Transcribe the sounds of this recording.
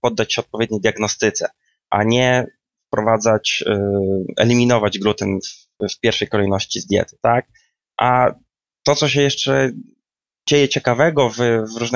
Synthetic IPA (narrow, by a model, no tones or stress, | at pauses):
pɔd̪ːat͡ɕɕɛɔt̪̚pɔvʲjɛd̪̚ɲejd̪jaɡnɔst̪ɘt̪sɛ̰ | ʔaɲɛ | fpɾɔvad̪zat͡ɕ | ɛ̰lʲimʲinɔvad͡ʑɡɾut̪ɛnf | fpʲjɛɾfʂɛjkɔlɛjnɔɕt͡ɕizd̪ʲjɛ̰t̪ɘ̥t̪ak̚ | ʔa | t̪ɔt̪sɔɕ̬ɛjɛʂt͡ʂɛ | d͡ʑejɛt͡ɕɛkavɛɡɔvvɾuʐn